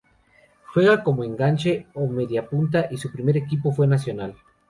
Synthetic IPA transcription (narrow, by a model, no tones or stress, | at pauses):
xwe̞ɣako̞moeŋɡant͡ʃe̞omeðjapunt̪̬aʔisupɾime̞ɾe̞kipo̞fwe̞nas̬jo̞nal